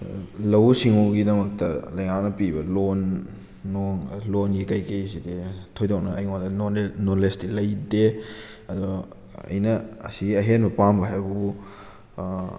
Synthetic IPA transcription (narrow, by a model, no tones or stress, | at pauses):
lɐwsiŋuɡidɐmɐk̚tɐlɐjŋak̚nɐpibɐlonː | oŋlonɡikɐjkejsiditʰojdok̚nɐɐjŋandɐnnolesdilɐjde | ɐdɔ | ɐ̰jnɐɐsiɡiɐɦenbɐpambɐɦajbɐbu